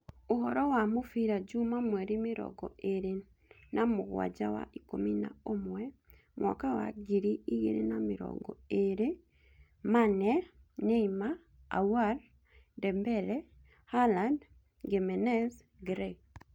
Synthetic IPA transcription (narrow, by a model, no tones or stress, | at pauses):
ohɔɾɔwamofiɾad͡ʒumamwɛɾimɪɾɔ̰ɡɔʔeɾe | namoɣwa̰d͡ʒawa̰ʔikomina̰omwɛ | mwʔɔkawa̰ɡiɾiiɣḛɾenamɪɾɔ̰ɡɔeɾe | manɛneima̰ː | wal | dɛmbɛlɛ | haland | ɡemɛnɛz | ɡɾɛk